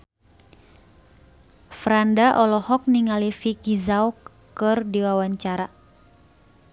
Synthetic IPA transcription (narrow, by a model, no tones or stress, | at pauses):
fɾandaʔɔlɔhɔk̚niŋalifikizaw | kɨrdiwawaɲt͡ʃaɾa